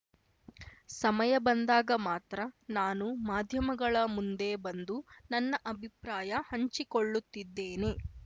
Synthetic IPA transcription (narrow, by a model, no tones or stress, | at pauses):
sɐmɐjɐbɐnd̪aːɡɐmaːt̪ɾɐnaːnumaːd̪ʱjɐmɐɡɐɭɐmund̪e̞bɐnd̪unɐnːɐʔɐbʱipɾaːjɐhɐɲt͡ʃikoɭːut̪ːid̪ːeːne̞